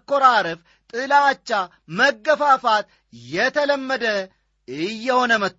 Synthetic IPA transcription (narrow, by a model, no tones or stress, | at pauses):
kːoɾaɾɨf | t̪ʼɨlat͡ʃːa | məɡːəfafat̪ | jɛt̪ʰələmːəd̪ə | ɨjːɛhonəmət̪ː